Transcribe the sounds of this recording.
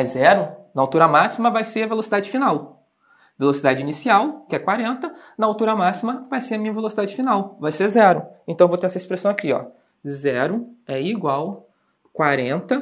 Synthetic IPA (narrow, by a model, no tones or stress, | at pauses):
ɐzzɛɾʊnɐawt̪uɾɐmasimɐvajseɾɐvelosid̪ad͡ʒɪfinaw | velosid̪ad͡ʒɪinisiawkɪɛkwaɾẽnt̪ɐ | nɐawt̪uɾɐmasimɐvajseɾɐmĩɲɐvelosid̪ad͡ʒɪfinawvajsezɛɾʊẽnt̪w̃vot̪eɾɛsɐespɾesɐ̃w̃akiɔ̰ | zɛɾʊɛiɡwaw | kwaɾẽnt̪ɐ